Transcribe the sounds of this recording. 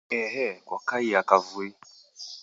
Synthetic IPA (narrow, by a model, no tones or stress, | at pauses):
ɛɦɛkwakaiakavue